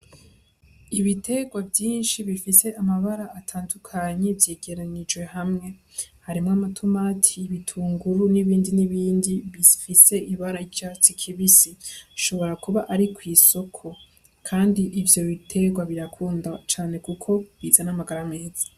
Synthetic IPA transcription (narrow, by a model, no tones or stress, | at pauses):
iβitʰe̞ɡwavjiːnʃiβifise̞ʔamaβaɾaːtʰaːndukʰaɲe̞vje̞ːɡe̞ɾanid͡ʒwe̞hamŋe̞ | haɾimŋamatʰumaːtʰiːβitʰuːŋɡuɾuniβiːndiniβiːndiβifise̞iβaɾaijat͡sikʰiβisiʃo̞βo̞ɾakuβaʔaɾikwiːso̞kʰo̞ | kʰaːndiʔːvjo̞βitʰe̞ɡwaβiɾakʰuːndat͡ʃaːne̞kukʰo̞βiːzanamaɡaɾamŋeːz̥ḁ